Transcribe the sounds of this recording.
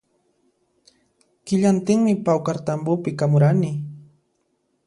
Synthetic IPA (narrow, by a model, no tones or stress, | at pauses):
kɪʎant̪ɪŋmɪpawkaɾt̪ambʊpɪkamʊɾanɪ